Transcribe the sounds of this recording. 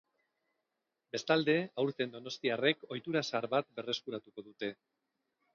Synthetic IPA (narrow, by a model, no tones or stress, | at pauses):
be̞st̪ald̪e̞awɾt̪e̞nd̪o̞no̞st̪iare̞ko̞jt̪uɾasaɾβat̪̚be̞re̞skuɾat̪uko̞ðut̪e̞